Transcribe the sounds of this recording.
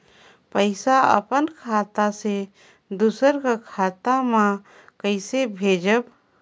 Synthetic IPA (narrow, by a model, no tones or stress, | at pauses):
pəɪsaə̰pənkʰat̪ase | d̪usəɾkakʰaːt̪amã | kəɪsebʱed͡ʒəb